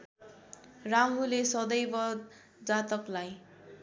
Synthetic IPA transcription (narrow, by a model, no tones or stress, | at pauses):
ramɦulesʌd̪ʌjbʌd̪ | d͡zat̪ʌklaj